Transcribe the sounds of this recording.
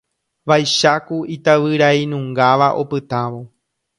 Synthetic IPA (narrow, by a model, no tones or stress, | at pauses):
ʋajʃakuit̪aʋɨɾainũŋɡaʋaʔo̞̰pɨt̪aʋo̞